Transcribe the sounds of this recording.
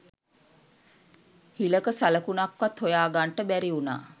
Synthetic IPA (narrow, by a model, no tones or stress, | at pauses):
hiləkəsaləkunakʋat̪hojaːɡaɳʈəbæɾiuna̰ː